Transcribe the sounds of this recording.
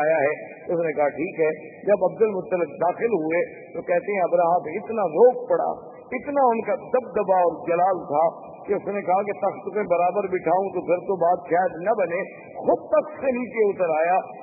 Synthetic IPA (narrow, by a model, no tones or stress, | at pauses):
aːjaɦɛt̪oʊsnekɐɦaʈʰiːkɦɛː | d͡ʒɐbɐb̚d̪əlmʊt̪ːəlɪk̚d̪aːxɪlɦʊe | t̪okɛɦt̪eɦɛ̃ɐbɾaɦãːbɪt̪naɾoːk̚pɐɽa̰ː | ɪt̪naʊnkad̪ɐb̚d̪ɐbaɔːɾd͡ʒɐlaːlt̪ʰa | keʊsnekɐɦaket̪ɐxt̪kẽbɐɾaːbəɾbʱɪʈʰaːũt̪opʰɪɾt̪obaːd̪ʃaːd̪nɐbɐne | xʊd̪̚t̪ɐkt̪senĩːt͡ʃeʊt̪əɾaːjaː